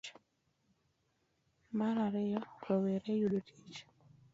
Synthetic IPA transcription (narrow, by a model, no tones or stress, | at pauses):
maɾaɾɪjɔɾoweɾejudotʰi̥t͡ʃ